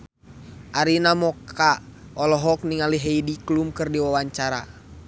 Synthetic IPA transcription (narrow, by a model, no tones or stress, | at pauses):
ʔaɾinamɔkʰa | ɔlɔɦɔk̚niŋaliɦɛidiklumkɨrdiwawaɲt͡ʃaɾa